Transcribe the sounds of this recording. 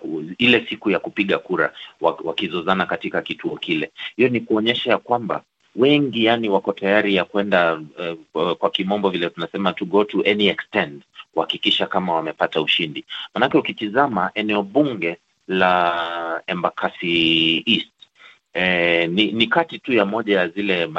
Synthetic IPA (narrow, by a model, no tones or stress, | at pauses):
ilɛsikujakupiɠakuɾa̰wawakizɔzanakatikakituɔkilɛhijɔnikuɔɲɛʃajakwamba̰ | wɛŋɡijaniwakɔtajaɾijakwɛnda | kwakimɔmbɔvilɛtunasɛmatuɡɔtuʔɛniɛkstɛ̃ntkuhakikiʃakamawamɛpatauʃindimanakɛukitizamaʔɛnɛɔɓuŋɡɛ | la | ɛmbakʰasiist | ɛninikatitujamɔʄajazilɛma